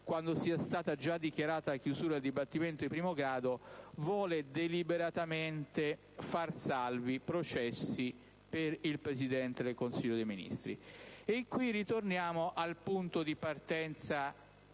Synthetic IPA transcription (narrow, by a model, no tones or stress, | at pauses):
kwand̪osiːast̪aːt̪ad͡ʒad̪ikjaɾaːt̪aakjuzuːɾaeld̪ibat̪ːiment̪oimpɾiːmoɡɾaːd̪ovwɔːled̪elibeɾat̪ament̪e | farsalvipɾot͡ʃɛsːi | peɾilpɾesid̪ɛnt̪ed̪elkonsiʎːod̪ejminḭst̪ɾḭekːwirːit̪ornjaːmoʔalpunt̪od̪ipart̪ɛnt̪sa